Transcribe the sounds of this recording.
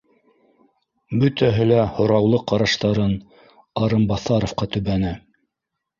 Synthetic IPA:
bɵt̪æɦɘlæhŏɾɑwlˠɤqɑɾɑʃt̪ɑɾɤn | ɑɾɤmbɑθɑɾŏfqɑt̪ɵ̆βænæ

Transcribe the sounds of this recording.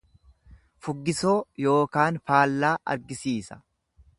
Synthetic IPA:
fʊɡːɪsoːjo̞ːkaːnfaːlːaːʔɐ̰ɾɡɪsiːsɐ̥

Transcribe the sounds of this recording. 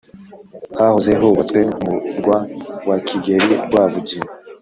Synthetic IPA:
hahozeɦoβat͡swemuɾɡwawakʰiɡeɾḭɾɡwaːvuɟi

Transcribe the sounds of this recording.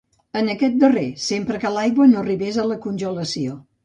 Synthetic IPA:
ənəkɛt̪̚d̪əresempɾəkəlajɣwənoriβɛzələkunʲʒuləsio

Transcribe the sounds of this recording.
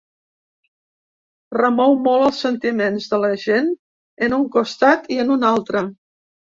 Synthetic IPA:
rəmɔwmɔlˠəlˠsːənt̪imenzðələʒen | ənuŋkust̪at̪iənunalˠt̪ɾə

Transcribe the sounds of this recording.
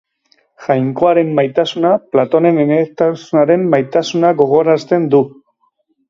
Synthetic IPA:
ʝajŋko̞aɾe̞mːajt̪asunaplat̪o̞ne̞nemet̪asunaɾe̞mːajt̪asunaɣo̞ɣ̞o̞ɾast̪e̞nd̪u

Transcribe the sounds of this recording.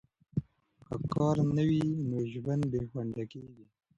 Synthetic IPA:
kəkɑːɾnawinoʒwand̪bexwaɳɖakeɡi

